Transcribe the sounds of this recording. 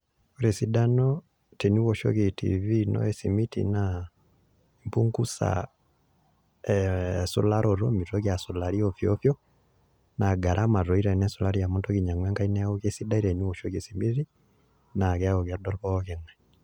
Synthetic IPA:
o˦ɾe˨si˦da˦nɔ | te˨nu˦wɔ˨ʃo̰˦ke˨tḭ˨vi˦nɔ̰˦ɛ˨si˨mi˦tḭ˨na | i˨mpu˦ŋku˦sa̰ | ɛsṵ˦la˦ɾʔɔ˨ɾɔ˦mi˨tɔ˦kja˨su˨la˨ɾi˦ɔ˨fjɔfjɔ˦ | na˨ɡa˨ɾʔa˦ma˨ɾɔ˨i˦ɾɛ˨nɛ˦su˨la˦ɾi˦ja˨mɔ˦ntɔ˦ki˨ɲa˨ŋwɛ˦ŋka˦i˦nɛ˦o˦ke˦si˦da˦i˦ɾe˨nu˦wɔ˨ʃo˦ke˨si˨mi˦ɾi˦ | na˨kɛ˦a˦o˨kja˨dɔ˦lβɔ˦ke˨ŋwɛ˨

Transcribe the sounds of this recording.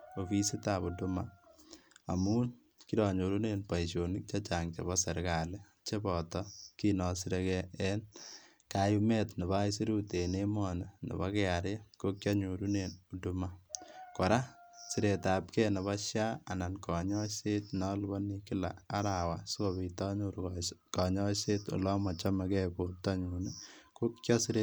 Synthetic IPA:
o˨fi˦si˦ta˨pu˨duma | a̰˨muː˦n | ki˦ɾɔ˨ɲo˨ɾu˦ne˨npa˨iʃo˨nɪ˦k̚t͡ʃa˦t͡ʃaː˨ŋt͡ʃe˨bɔ˦se˨ɾka˨le˦ | t͡ʃe˦bɔ˨tɔ˦ki˦nɔ˨si˦ɾe˧kɛɛ˦n | kajume˦tne˨ba˦i˦si˦ɾu˦te˨ne˦mɔ˦ne˨nḛ˨ba˦ke˦a˨ɾe˦ko˦kʲja˦ɲoɾu˦ne˨nuduma˦kɔ˨ɾa˦si˨ɾe˨ta˨pkɛ˦ne˨βa˦ʃjaː˦˨na˨nkɔ˨ɲɔ˦se˦tnɔ˦lbɔ˦ni˦kɪ˦la̰ː˨˦ɾa˨wa˨sʊ˦ko˨bi˨tɔ˦ɲuɾkkɔ˨ɲɔ˦se˦tṵ˨lɔ˦mɔ˨t͡ʃa˦ma˨kɛ˦po˨tɔ˦ɲu˨ne˦ko˦kjɔ˦si˦ɾe

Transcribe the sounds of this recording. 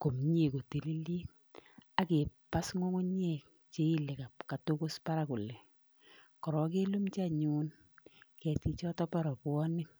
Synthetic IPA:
ko˨mɲe˦˨ko˨te˨li˦li˦ | a˨ke˨pa˦sŋo˦ŋo˦ɲe˨ | t͡ʃe˦i˦le˨ka˨p̚ka˨to˦ko˦spa˦ɾa˦ku˨le˨ | kɔ˨ɾɔ˨k̬e˦lu˦mt͡ʃa˦ɲu˦n | kɛ˨ti˦t͡ʃɔ˦tɔ˦pɔ˦ɾɔ˨pʊ˨˦ɔ˦nɪ˦k̚

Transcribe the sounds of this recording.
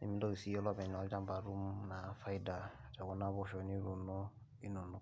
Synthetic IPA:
ḭ˦mĩ˧˦dɔ˦˨i˨si˨˧˦ɔ˦lɔ˦˨bɛ˨n˨ɔ˧˦d͡ʒã˦m˦ba˨ɾu˦m˦na˨˦fa˦i˦da˨twɔ˧˦nã˦bɔ˦ʃɔ˧˦nĩ˦ɾu˧nɔ̃˦ | i˦nũ˨nɔ̃˦

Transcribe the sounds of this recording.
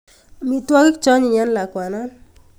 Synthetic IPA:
mi˨twɔ˦ɡi˦k̚t͡ʃɔ˦ɲi˨ja˦nla˨kwa˨na˦

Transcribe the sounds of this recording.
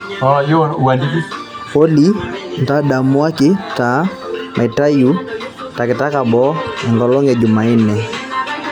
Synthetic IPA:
ɔ˦jɔ˦u˨a˨di˦ki˦ | pɔ˦li˦nta˦ɗa˨mu˦a˦kɪ˦ta˨˦ | mʔa˨i˨ta˦ju˦ | ta˨kɪ˨ta˦ka˨ɓɔ˨˦a˨ŋɡɔ˨lɔ˦ŋɡɛ˨d͡ʒu˨ma˨i˦nɛ˨

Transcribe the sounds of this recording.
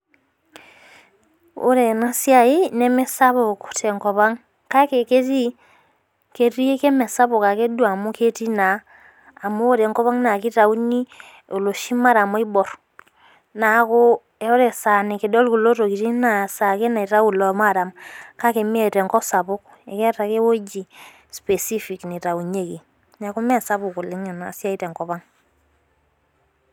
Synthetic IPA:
o̰˦ɾe˨na˦si˦a˨i˦nɛ˦mɛ˦sa˦βo˨ko˨tɛ˨ŋkɔ˨βa˦ŋ | ka˦ke˨ke˦ti˦ | ke˨ɾi˦e˦kɛ˦mɛ˨sa˦βo˨ka˨ke˦dwa˨mu˦ke˦ti˦naː˨ | moː˦ɾɛ˨ŋkɔ˦βa˦ŋna˨ki˦ɾa˨u˦ni˦ | o˨lo˨ʃi˦ma˦ɾa˨mɔ˦i˦bɔ˨ɾ | na˨ko˦ | ɛ˦ɔ˦ɾɛ˨sa˨ni˨ke˨dɔ˦lku˨lo˦to˨ki˨ti˦na˨sa˨ke˦na˨i˨ta˦u˨lɔ˨ma˦˨ɾa˨mka˦ke˨mi˦e˨tɛ˨ŋkɔ˦sa˨pʊ˦k | ɛ˨kɛ˦ta˨ke˦wo˦d͡ʒi˨ | spe˨si˦fi˨kni˨ta˨u˨ɲe˦ki˨ | na˨ku˦mɛ˦sa˦pʊ˨ku˨le˦ɲa˨nasja˦i˦tɛ˨ŋkɔ˨pa˦ŋ

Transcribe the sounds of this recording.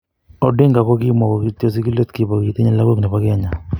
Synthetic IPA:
ɔ˨dɪ˦ŋɡa˨kɔ˦kɪ˦mɔ˨kɔ˨ki˦t̪o˨s̬i˦ki˦lo˦t̪ki˨pɔ˨ki˨t̪i˦ɲa˦la˦ko˦knɛ˨pa˦kɪ˦a˨ɲa˨

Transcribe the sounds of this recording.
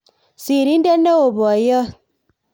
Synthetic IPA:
si˨ɾi˨˦n̩˦de˦nː˦e˦o˨bɔ˨a˨jə˦

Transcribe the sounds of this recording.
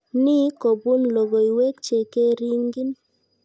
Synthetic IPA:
ni˦ko˨bu˦nlo˨ɡo˨i˨we˦kt͡ʃe˨ke˦ɾi˦ŋɡi˦n

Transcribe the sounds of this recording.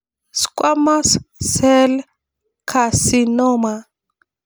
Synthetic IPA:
si̥˨kʼwa˦ma˦ssɛ˦l | kʰa˨si˦nɔː˦ma˨

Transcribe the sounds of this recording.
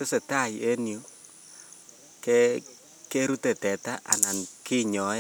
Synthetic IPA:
te˦se˨ta˦˨je˦njo˦ | ke | ke˦ɾu˦te˨tɛ˨ta˦ʔa̰˨na˨nki˦ɲɔ˨˦ɛ˦

